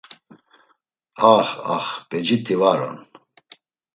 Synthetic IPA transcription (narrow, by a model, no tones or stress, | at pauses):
aχa̰χbɛd͡ʒit̪ʰivaɾɔ̰n